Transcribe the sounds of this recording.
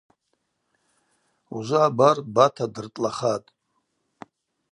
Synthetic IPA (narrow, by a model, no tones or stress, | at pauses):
uzʷabarbatʰadɨrtʼlaχatʼ